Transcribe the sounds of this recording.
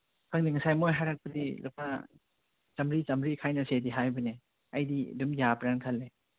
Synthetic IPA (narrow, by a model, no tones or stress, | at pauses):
kʰaŋdiŋasajmojɦajɾak̚pədḭlukp̚a | t͡ʃɐmɾit͡ʃɐmɾikʰajnɐsediɦajbɯne | ɐjdḭdumjapɾankʰalːe